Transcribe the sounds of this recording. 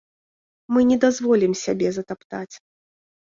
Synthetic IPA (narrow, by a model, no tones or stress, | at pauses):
mɨnʲɛd̪azvɔlʲimsʲabʲɛzɐt̪apt̪at͡sʲ